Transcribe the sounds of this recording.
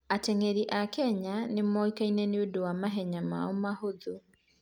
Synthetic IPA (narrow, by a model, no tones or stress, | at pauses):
atɛŋɛɾiʔakɛɲanɪmɔikainɛneodowamaɦɛɲama̰ɔmahoðo